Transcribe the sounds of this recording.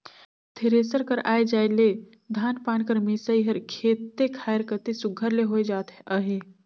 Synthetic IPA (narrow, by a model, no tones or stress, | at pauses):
t̪ʰeɾeːsəɾkəɾʔa̰ːed͡ʒaːele | d̪ʱaːnpaːnkəɾmisaiɦəɾkʰeːt̪ːekʰaːɪɾkət̪esʊɡʱəɾleɦoed͡ʒaːt̪əɦeː